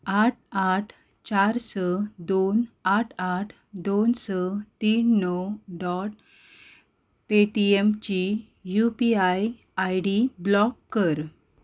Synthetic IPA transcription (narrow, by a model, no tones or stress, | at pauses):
aʈʰaʈʰ | t͡ɕaɾsəd̪onaʈʰaʈʰ | d̪onsət̪iːnːɔwɖɔʈ̚ | peʈiemt͡ɕi | jupiaj | ajɽiblɔkːəɾ